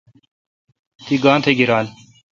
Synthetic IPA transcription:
t̪iːɡãːnt̪ʰeːɡɪɾaːl

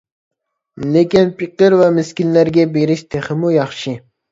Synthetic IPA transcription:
lekʲinpʰiqəɾvɛmɪskʲillæɾɡʲɛbeɾɪʃt̪ʰeχɪmujɑχʃi

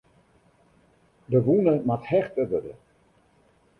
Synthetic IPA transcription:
dəʋunəmathɛχtədədə̰

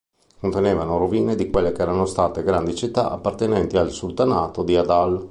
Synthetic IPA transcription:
kont̪eneːvanoɾoviːned̪ikwelːekeɛːɾanost̪aːt̪eɡɾand̪it͡ʃit̪ːaʔapːart̪enɛnt̪ialsult̪anaːt̪od̪iad̪al

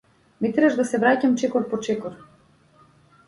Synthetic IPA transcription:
mit̪ɾɛʒd̪asɛvɾacamt͡ʃɛkɔɾpɔt͡ʃɛkɔɾ

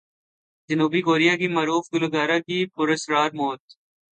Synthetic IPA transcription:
d͡ʒɐnuːbikoːɾijakimɐːɾuːfɡʊloɡaːɾakipʊɾəsɾaːɾmoːt̪̚

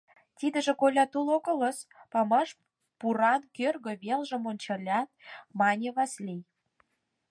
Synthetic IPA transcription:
t̪ʲid̪ə̆ʒĕkolʲɑt̪ulokɤ̆lə̆spɑmɑʃ | puɾɑnkørɣə̆βelʒə̆monʲt͡ɕɑ̆lʲɑt̪̚mɑnʲeβɑslʲij

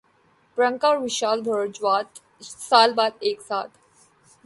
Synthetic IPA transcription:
pɾə̃ŋkaːɾʋɪʃaːlbʱəɾd͡ʒʋaːt̪ | saːlbaːd̪eːksaːt̪ʰ

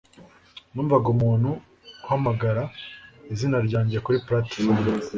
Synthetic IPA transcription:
nuːɱvaɡumuːnhu | kuhamaɡaɾaizinaɾɟaːɲɟe̞kuɾipɾati̥

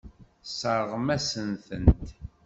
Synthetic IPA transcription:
səɾˤəʁmæsənθənt̪

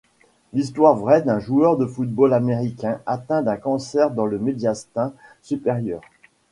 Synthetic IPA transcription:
list̪waʁvʁɛd̪ɛ̃ʒuœʁd̪əfut̪̚bolameʁikʲɛ̃at̪ɛ̃d̪ɛ̃kɑ̃sɛʁd̪ɑ̃ləmed̪jast̪ɛ̃sypeʁjœːʁ

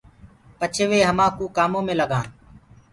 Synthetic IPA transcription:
pət͡ʃʰeːʋeːɦəmãːkuːkaːmõːmẽːləɡʱãː

